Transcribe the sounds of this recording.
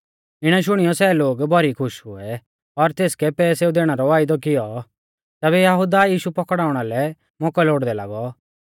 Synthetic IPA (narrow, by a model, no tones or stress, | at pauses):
ɪɽ̃ɛʃ̬ʊɽ̃ijɔsɛːloːɡbʱɔɾikʰʊʃɦʊɛ | ɔɾt̪eːskɛpɛːseːud̪eːɽ̃aɾɔʋaːɪd̪ɔk̬ɪjɔ | t̪ɛːβɛjɐɦʊd̪ajiːʃupɔkɽaːʊɽ̃alɛ | mɔːkɛlɛʊɽd̪ɛla̰ːɡɔ